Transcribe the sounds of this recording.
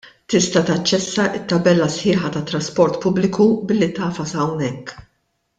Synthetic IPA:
t̪ɪst̪ɐt̪ɐt͡ʃːɛsːɐʔɪt̪ːɐbɛlːɐsħɪːħɐt̪ɐt̪ːɾɐspɔɾt̪pʊblɪkubɪlːit̪ɐːfɐsɐwnɛkː

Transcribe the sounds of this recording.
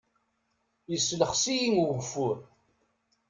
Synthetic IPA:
jəsːləχsijiŋuɣfʊɾ

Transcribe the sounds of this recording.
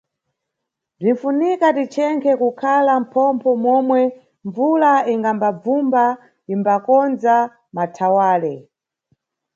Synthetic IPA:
b͡ʐinfunikatit͡ʃʰɛŋkʰɛkukʰalam̩pʰɔmpʰɔmwɔmwɛ | ɱvulaiŋɡambab͡vumba | imbakɔnd͡za | matʰawaːlɛ

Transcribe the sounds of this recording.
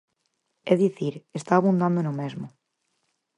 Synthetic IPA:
eðiθiɾest̪aːβund̪ãnd̪oenomezmo

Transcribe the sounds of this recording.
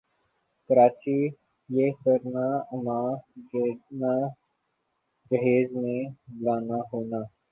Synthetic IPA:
kəɾaːt͡ʃiː | jeːkəɾnaːəmaːɡena | d͡ʒəɦeːzmẽːblaːnaːɦoːnaː

